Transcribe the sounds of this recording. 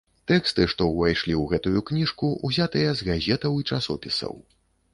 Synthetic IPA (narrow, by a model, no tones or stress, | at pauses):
t̪ɛkst̪ɨʂt̪ɔwvajʂlʲiwɣɛt̪ujuknʲiʂkuʔuzʲat̪ɨjɐzɣazʲɛt̪ɐwit͡ʂasɔ̰pʲisɐ̰w